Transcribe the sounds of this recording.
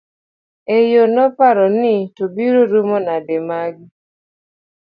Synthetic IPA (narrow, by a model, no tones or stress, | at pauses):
ejonɔpaɾɔnɪtobiɾoɾumɔnademaɡ